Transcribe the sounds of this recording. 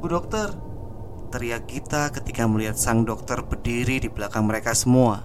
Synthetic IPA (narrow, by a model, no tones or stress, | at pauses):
budɔk̚t̪ər | t̪əɾiaɡit̪akət̪ikaməliɦat̪̚saŋdɔk̚t̪ərbərdiɾidibəlakaŋməɾekasəmua